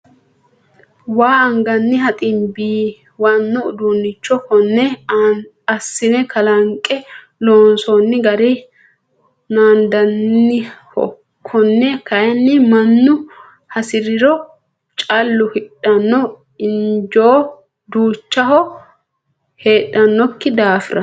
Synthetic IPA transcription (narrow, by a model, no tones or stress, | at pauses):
waːɐŋɡɐnːɪɦɐt̪ʼɪmbiː | wɐnːɔʊd̪unːɪt͡ʃːɔkɔnːɛ | ɐsːɪnɛkɐlɐŋkʼɛ | loːnsɔnːɪɡɐɾɛ | naːnd̪ɐnːɪhɔ̰kʰːɔnːɛkɐjɐnːɪmɐnːʊ | hɐsɪɾɪɾɔ | t͡ʃʼɐlːʊhɪᶑɐnːɔ | ɪnd͡ʒoː | d̪uːt͡ʃːɐhɔ | he̞ːᶑːɐnːɔkːɪd̪aːfɪɾʔɐ